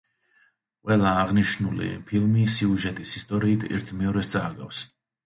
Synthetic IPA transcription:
qʼwɛlˠaːʁniʃnulḭpʰilˠmisiuʒɛt̪ʼisist̪ʼɔɾiːt̪ʰɛ̰ɾt̪ʰmɛɔɾɛst̪sʼaːɡa̰fs

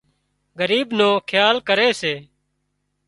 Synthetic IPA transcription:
ɡəɾiːbnõːkʰjaːlkəɾeːseː

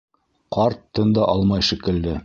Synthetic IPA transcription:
qɑɾt̪ːɤnd̪ɑʔɑlˠmɑjʃɘ̆kɘ̆ld̪ɘ

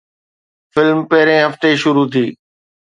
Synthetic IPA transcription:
fɪlmpɐɦɪɾẽɦɐft̪eʃʊɾut̪ʰiː

